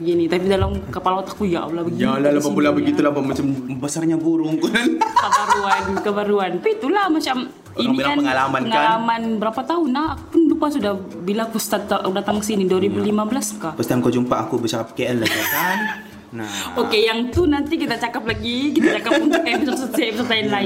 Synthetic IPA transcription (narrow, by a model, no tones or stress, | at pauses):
bəɡinit̪ap̬idalamkəpalat̪ḁkuja̰ʔpulabəɡijalalabapulabəɡit̪ulabamat͡ʃambasarɲabuɾʊŋkankəbaɾuankəbaɾuanpit̪ulahmat͡ʃam | inilkanəŋalamanəŋalamanbəɾapat̪aʊnahakupʊnlupasudah | bilakust̪at̪ːaakudat̪aŋsiniduaɾibulimabəlaskahpəst̪iankod͡ʒumpaːkubət͡ʃakap̚keənlaɡat̪an | naokejaŋt̪unant̪ikit̪at͡ʃakaplaɡikit̪at͡ʃakapunt̪ʊkabsast̪bsɔt̪ainla